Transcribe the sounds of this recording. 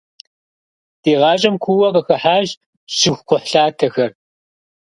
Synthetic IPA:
d̥eːʁɑːɕʼɐmkʷʰuwɐbɐxɐħaːʑ | ʃɪxʷqʷʊħɬaːtʰɐxɐr

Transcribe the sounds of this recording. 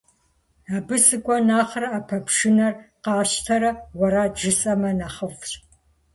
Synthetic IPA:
aːbɨsɨkʷʼɔnaːχrɐapʰɐpʰʂɨnɐrqɑːɕtʰɐɾɐwɐɾaːd͡ʒɨsʼɐmɐnaːχɐfɕʼ

